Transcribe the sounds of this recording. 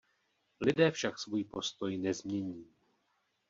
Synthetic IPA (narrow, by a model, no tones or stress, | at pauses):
lɪdɛːfʃaksvujipo̞st̪o̞jnɛzmɲɛɲiː